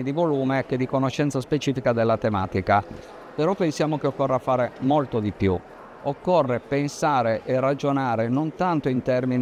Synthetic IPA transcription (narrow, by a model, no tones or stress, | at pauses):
id̪ivoluːmeked̪ikonoʃɛnt̪saspet͡ʃiːfikad̪elːat̪emaːt̪ika | pɛɾɔpːensjaːmokeokːɔrːafaːɾemolt̪od̪ipju | okːɔrːepensaːɾeʔɛrad͡ʒonaːɾenont̪ant̪oint̪ɛrmin